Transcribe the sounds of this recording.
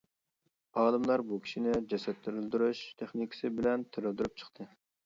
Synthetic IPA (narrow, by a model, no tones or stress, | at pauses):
ɑːd̪ɨmlˠɑɾbukʲʰi̥ʃinɪd͡ʒɛsɛt̪ʰːɪɾɪld̪yɾuʃt̪ʰeχnikʲʰɪ̥sɪbɪlɛnt̪ʰɪɾɪld̪yɾyp̚t͡ʃʰə̥qt̪ʰɨ